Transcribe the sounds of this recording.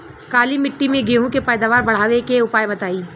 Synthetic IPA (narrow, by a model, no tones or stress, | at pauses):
kaːlimɪʈːimẽɡeːɦũkepɛːd̪aːʋaːɾbɐɽ̤aːʋekeʊpaːjbɐt̪aːiː